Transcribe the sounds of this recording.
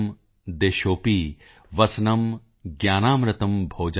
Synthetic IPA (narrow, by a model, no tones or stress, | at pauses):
d̪eːʃoːpiː | ʋɐsnɐm | ɡjaːnaːmɾɐt̪ɐmbʱoːd͡ʒ